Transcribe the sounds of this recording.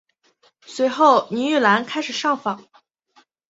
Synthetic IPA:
swe˧˥ɪxo˥˩ʊni˧˥y˥˩la˧˥nkʰa˥ɪʂɻ̩˨˩ʂɑ˥˩ŋfɑ˨˩˦ŋ

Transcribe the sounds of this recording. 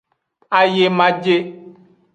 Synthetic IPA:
a˨je˦mã˦d͡ʒe˦

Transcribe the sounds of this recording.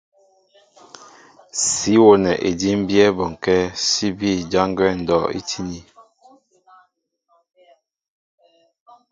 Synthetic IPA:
si˨˦wo˦nɛ˨ʔe˨di˦m˦bjɛ˦bɔ˨ŋ˨kɛ˦si˦bi˦˨d͡ʒa˦ŋɡwɛ˦˨n̩˨dɔ˦˨ḭ˦tʰi˦ni˨

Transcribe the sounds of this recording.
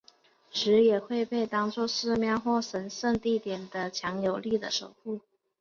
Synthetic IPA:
ʂɻ̩˧˥jɛ˨˩xwe˥˧ɪpe˥˩ɪt̪ɑ˥ŋt͡swɔ˥˧ʂɻ̩˥˧mjɑ˥˧ʊxwɔ˥˩ʂə˧˥nʂə˥˧ŋt̪i˥˩t̪jɛ˨˩nd̪ə˦t͡ɕʰjɑ˧˥ŋjo˨˩ʊli˥˩d̪ə̰˩ʂo˨˩ʊku˥˩

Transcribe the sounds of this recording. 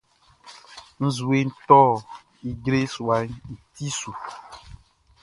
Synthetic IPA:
ŋ̩˦zu˨e˦n̩˦˨˦t̪ɔ˦ | i˨ɡɾe˦su˨a˨˦ɲ˦n̩˨t̪i˦su˨

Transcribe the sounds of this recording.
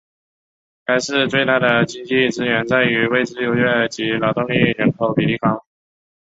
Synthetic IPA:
ka˥ɪʂɻ̩˥˧t͡swe˥˧ɪt̪a˥˩d̪ə˩t͡ɕi˥ŋt͡ɕi˥˩ʈ͡ʂɻ̩˥ɥɛ˧˥nt͡sa˥˩ɪy˧˥we˥˩ɪʈ͡ʂɻ̩˥jo˧˥ʊɥɛ˥˩t͡ɕi˧˥lɑ˨˩ʊt̪ʊ˥˧ŋli˥˩ɻə˧˥nkʰo˨˩ʊpi˨˩li˥˩kɑ˥ŋ

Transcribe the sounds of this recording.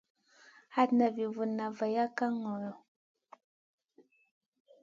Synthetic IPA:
ha˦tna˨vi˨vu˨na˨və˨ja˦ka˦ŋɔ˨ɾɔ˨

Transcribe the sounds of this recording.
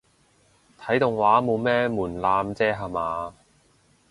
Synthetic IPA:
t̪ʰɐ˨˥jt̪ʊ˨ŋwaː˨˥mo˨˧wmɛː˥muː˨˩nlaː˧mt͡sɛː˥ɦaː˨maː˨˧

